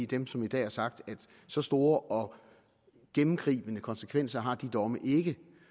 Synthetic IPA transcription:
id̥emsɒ̽mid̥ɛ̰ːæɐsɑ̈ɡ̥̚d̥æd̥ | sɒ̽sd̥o̝ːɐʔɒ̽ | ɡ̥emm̩ɡ̥ʁḭːb̥ənəkʰɒ̽nsəkʰʋen̰sɐɦɑ̈d̥id̥ɒ̽məʔe̝ɡ̥ə

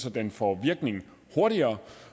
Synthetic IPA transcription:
sɒ̽d̥enfɒʋiɐɡ̥ne̝ŋ | ho̝ɐɾiɐː

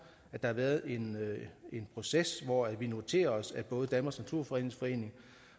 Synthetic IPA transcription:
æd̥ɑhɑ̈ʋæːɐð̞̩ˠe̝ne̝npʰʁo̝sesʋɒæʋino̝t͡sʰe̝̰ːɐɒ̽sæb̥ɔ̽ːð̩ˠd̥ænmɐsnæt͡sʰuɐ̰fɒ̽e̝̰ne̝ŋsfɒ̽e̝̰ːne̝ŋ

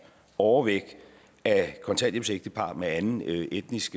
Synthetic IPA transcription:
ɒʊɐʋeɡ̥ | ækʰɒ̽nt͡sʰæn̰djəpseɡ̥̚d̥əpʰɑ̈ːmeænn̩ʔed̥nisɡ̥

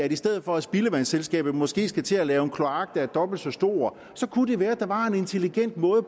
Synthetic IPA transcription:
æɾ̥isd̥eð̞̰̩ˠfɒ̽æsb̥iləʋænselsɡ̥ɛ̰ːb̥ð̩ˠmɒ̽sɡ̥e̝̰ːsɡ̥æt͡sʰe̝ælɛːʊenkʰlo̝ɑ̈ɡ̥̚d̥æɐd̥ɒ̽b̥l̩d̥sɒ̽sd̥o̝̰ːɐ | sɒ̽kʰud̥e̝ʋæːɐd̥ɑ̈ʋɑ̈e̝ne̝nt͡sʰe̝liɡ̥en̰d̥mɔ̽ːð̩ˠ

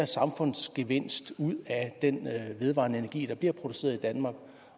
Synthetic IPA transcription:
æɐsɑ̈mfɔ̽n̰sɡ̥eʋe̝n̰sd̥uð̞̰ˠæd̥enʋe̝ð̞ˠʋɑ̰̈ːnəe̝næɐɡ̥ḭːd̥ɑ̈b̥liɐ̰pʰʁo̝d̥use̝̰ːɐð̞ˠid̥ænmɑ̈ːɡ̥

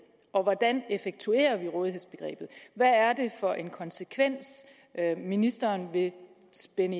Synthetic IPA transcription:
ʔɒ̽ʋɒd̥ænefeɡ̥̚t͡sʰue̝̰ːɐʋiʁɔ̽ːðiɦe̝ðˠsb̥e̝ɡ̥ʁɛ̰ːb̥ð̩ˠʋæːɐd̥e̝fɒ̽ʔe̝nkʰɒ̽nsekʰʋen̰s | minisd̥ɐːnʋe̝ | sb̥enə

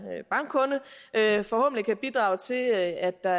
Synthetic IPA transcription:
b̥ɑ̈ŋɡ̥kʰɔ̽nəfɒ̽hɔ̽b̥n̩likʰæb̥id̥ʁɑ̈ʊt͡sʰe̝læd̥ːɑ̈

